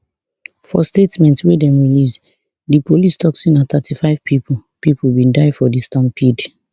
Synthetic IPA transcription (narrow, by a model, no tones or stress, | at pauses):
fɔ̰stetmɛ̃ntswedɛ̃mɹilis | dipʰolistʰɔksĩnaθatʰifaɪvpʰipʰupipʰubĩndaɪfɔdistãmpʰid